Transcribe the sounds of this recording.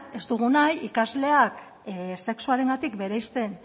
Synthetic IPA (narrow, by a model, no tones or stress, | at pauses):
e̞st̪uɣ̞unajikazle̞ak | se̞ksuaɾe̞ŋɡat̪ikbe̞ɾajst̪e̞n